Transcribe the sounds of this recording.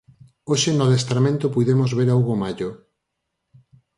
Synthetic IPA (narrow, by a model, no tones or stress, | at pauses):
oʃenoðest̪ɾamẽnt̪opujðemozβeɾawɣomaʎo